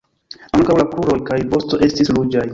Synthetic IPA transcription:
aŋkawlakuɾo̞jkajvo̞sto̞ʔe̞stislud͡ʒaj

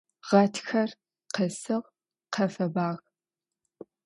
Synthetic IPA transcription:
ʁ̥ɐtʰxɐr | qəsɨʁ | qʰɐfɐbaːʁ

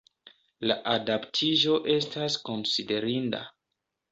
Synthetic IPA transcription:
laʔadaptʰiʒo̞ʔe̞stasko̞nside̞ɾinda̰

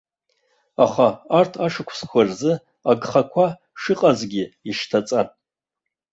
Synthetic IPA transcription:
aχaːrtʰaʂɨkʷʰsχʷarzɨ | aɡχakʷʰa | ʂɨqʼazɡʲɪiʂtʰat͡sʼanʼ

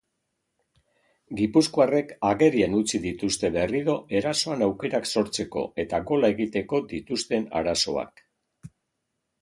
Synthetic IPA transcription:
ɡipuskoare̞kaɣe̞ɾienut͡siðit̪ust̪e̞βe̞riðo̞e̞ɾaso̞anawke̞ɾakso̞ɾt͡se̞ko̞̰e̞t̪aɣo̞lae̞ɣit̪e̞ko̞d̪it̪ust̪e̞na̰ɾaso̞a̰k

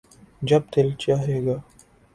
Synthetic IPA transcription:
d͡ʒɐb̚t̪elt͡ʃaːɦeːɡaː

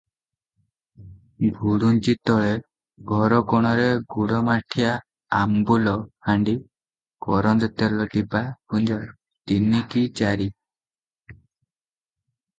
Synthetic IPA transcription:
ɡʱuɽunt͡ʃit̪ɔɭe | ɡʱɔɾɔkɔɽ̃ɔɾeɡuɽɔmaʈʰijaː | mbulɔhaɳɖi | kɔɾɔnd̪ɔt̪elɔʈipakund͡ʒɔɾ | t̪inikit͡ʃaɾi

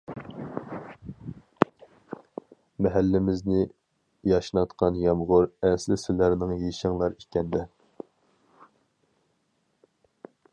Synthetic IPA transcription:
mɛɦælːɪmɪznɪ | jɑʃnɑt̪qʰɑnjɑmʁʊɾɛnslɪsylæɾnɪŋjeʃɛŋlˠɑɾikʲɛnd̪ɛ

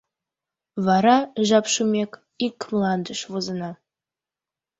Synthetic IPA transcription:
vaɾaʒapʰʃumʲekʼ | ikʰːmlˠand̪ɨʃvuzɨna

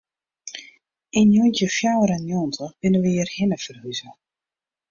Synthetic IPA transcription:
injuntjəfjawəɾanjɔntʰəb̥ɪnəʋəiːərhɪnəfərhyzə

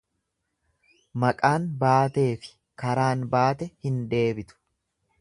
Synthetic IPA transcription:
mɐkʼaːnbaːt̪e̞ːfɪ̥ | kɐɾaːnbaːt̪ɛhɪnd̪e̞ːbɪt̪ʊ̥

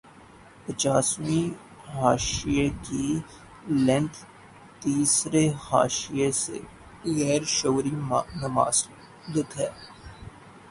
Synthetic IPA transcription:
pət͡ʃaːsmĩ | ɦaːʃieki | lɛ̃ɳʈ | t̪iːsɾeha̰ːʃijesḛ | ɣɛːɾʃoːɾimnɐma̰ːz | d̪ɪt̪ɦɛː

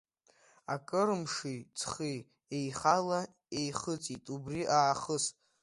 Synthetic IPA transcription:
akʼɨɾmʂit͡sʰχi | ejχala | ejχət͡sʼitʼubriʔaːχəs

